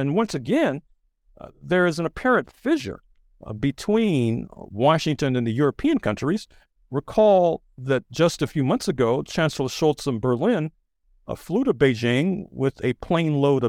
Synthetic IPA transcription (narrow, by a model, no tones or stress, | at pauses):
ɨ̃nwʌ̃nsɨɡɛ̃n | ðə˞ɨz̃n̩ɨpʰɛɹɨ̃ntfɪʒə̰˞ | bɨtʰw̥ĩnwɑʃɪ̃ŋtɨ̃nɨ̃nðɨjʊɹɨpʰĩɨ̃nkʰʌ̃nt͡ʃɹ̥iz̥ | ɹɨkʰɔlˠ | ðɨt̚d̥ʒ̥ʌstɨfjʉmʌ̃nθsɨɡoʊt͡ʃʰæ̃nsl̩ˠə̥ʃoʊlˠtsə̃nbə˞lɪ̃n | ə̰fluɾʌbeɪd͡ʒɪ̃ŋwɪðɨpʰl̥ẽɪ̃nloʊɾʌ